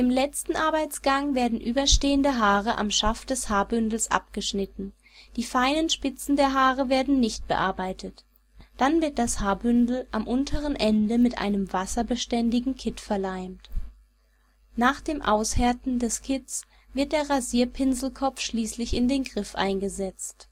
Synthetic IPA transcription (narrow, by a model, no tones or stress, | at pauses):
ʔɪmlɛt͡stn̩ʔaɐbaɪt͡sɡ̥aŋveːɐdn̩ʔyːbɐʃteːəndəɦaːʁəʔa̰mʃafd̥ɛshaːɐbʏndl̩sʔa̰p̚ɡ̥əʃnɪtn̩ | d̥iːfaɪnənʃpɪt͡sn̩deːɐɦaːʁəveːɐdn̩nɪçt̚b̥ə̰ʔaɐbaɪtʰət | d̥anvɪɐt̚d̥ashaːɐbʏndl̩ʔamʔʊntʰəʁənʔɛndəmɪtʔa̰ɪnəmvasɐbəʃtɛndɪɡŋ̩kʰɪtfɛɐlaɪmt | naːχd̥eːmʔa̰ʊsheɐtn̩dɛskʰɪt͡s | v̥ɪɐt̚d̥eːɐʁaziːɐpʰɪnzl̩kʰɔp͡fʃliːslɪçɪndeːnɡʁɪfʔa̰ɪnɡəzɛt͡st